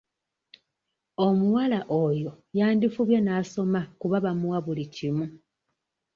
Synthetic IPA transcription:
omuwalaʔojo̞ | jaːndifuβjenaso̞makuβaβamuwaβulicimu

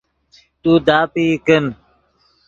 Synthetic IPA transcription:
t̪uːd̪aːpiːkən

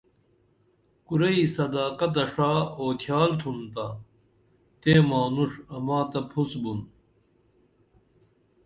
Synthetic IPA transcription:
kuɾɐisɐd̪aːkɐt̪̬ɐʂaːoːk̪ʰjaːlt̪ʰunt̪a | t̪eːmaːnuʂɐmãːt̪ɐpʰusbun

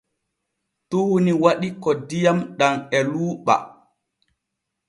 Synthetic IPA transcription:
tuhuniwaɗikɔdijamɗaŋɛluːɓa̰

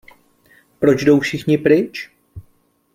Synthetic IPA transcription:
pɾo̞t͡ʃdo̞wfʃɪxɲɪpɾɪt͡ʃ

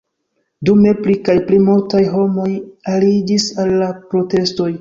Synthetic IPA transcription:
dume̞plikajplimultajɦo̞mo̞jalid͡ʒisalːapɾo̞te̞sto̞j

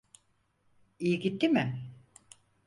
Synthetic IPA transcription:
ijiɡʲit̪ːimɪ

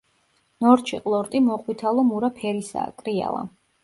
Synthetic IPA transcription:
nɔɾt͡ʃʰiqʼlˠɔɾt̪ʼimɔqʼwit̪ʰalˠɔmuɾapʰɛɾisa̰ːkʼɾia̰lˠa̰

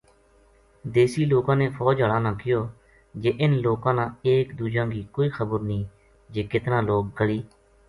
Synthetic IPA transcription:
d̪eːsiːloːkãːneːpʰɔːd͡ʒəɭãːnãːkɪjoː | d͡ʒeːʔɪnloːkãːnãːeːkd̪uːd͡ʒãːɡiːkoːiːxʰəbəɾnĩː | d͡ʒeːkɪt̪nãːloːk̚ɡəɭiː

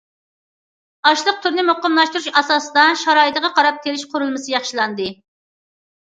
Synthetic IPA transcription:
ɑʃlˠəq̚t̪ʰyɾnɨmoqəmlˠɑʃt̪uɾuʃɑsɑːsɨd̪ɑʃɑɾɑːit̪əʁɑqʰɑɾɑp̚t̪ʲʰelɪʃqʰʊɾulˠmɨsɨjɑχʃilˠɑnd̪ɨ

